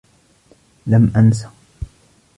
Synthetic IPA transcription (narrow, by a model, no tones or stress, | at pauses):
lamʔans̬ḁ